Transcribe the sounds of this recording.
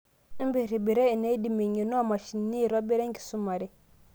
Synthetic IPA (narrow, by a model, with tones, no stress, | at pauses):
i˦mbi˦˨ɾi˨bi˨ɾe˦i˨ne˦di˨mi˨ɲi˨nu˦a˦ma˨ʃi˨nː˦i˦˨ɾo˦bi˦ɾe˦ŋki̥˨su˦ma˨ɾi˦